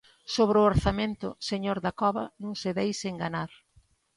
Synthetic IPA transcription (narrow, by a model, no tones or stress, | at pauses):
soβɾʊoɾθamẽnt̪ʊseɲoɾðakɔβɐ̰nũŋsɪðejseŋɡanaɾ